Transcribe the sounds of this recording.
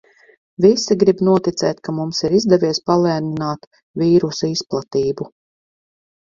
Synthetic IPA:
visiɡɾibnuɔt̪it̪sɛːt̪ʲkamumsiɾizd̪ɛvʲiɛspalˠɛːninaːt̪ | viːɾusisplˠat̪iːbu

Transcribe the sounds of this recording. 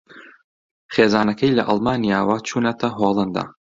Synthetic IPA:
χeːzaːnɐkʰɐjlɐʔɐlˠmaːnijaːwat͡ʃʰuːnɐt̪ʰɐɦolˠɐnd̪a̰ː

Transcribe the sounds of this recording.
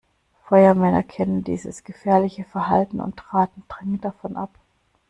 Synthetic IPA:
fɔʏɐmɛnɐ̰kʰɛnəndḭːzəsɡ̥əfɛːɐlɪçəfɛɐɦaltn̩ʊ̰ntʁ̥aːtn̩d̥ʁɛŋənd̥afɔnʔa̰p

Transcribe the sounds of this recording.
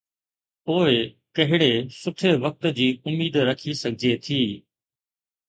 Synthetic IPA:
poːe | kɐɦɪɽeːsʊʈʰeːʋək̚t̪d͡ʑiːʊmiːd̪ɾəkʰisəɡʱd͡ʑeːt̪ʰiː

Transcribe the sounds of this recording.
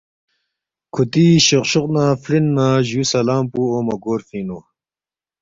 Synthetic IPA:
kʰut̪iɕoqɕuqnafɾinːaːʑuːsɐlaːmpuoːmɐɡoːɾfiːno

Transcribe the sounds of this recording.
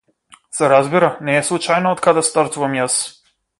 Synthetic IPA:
sɛɾazbiɾanɛːslˠut͡ʃajnɔɔt̪̚kad̪ɛst̪aɾt̪uvamjas

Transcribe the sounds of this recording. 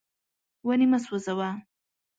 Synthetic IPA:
wanimaswɐzawa

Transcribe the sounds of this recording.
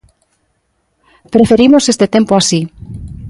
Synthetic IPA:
pɾefeɾimosest̪et̪empoasi

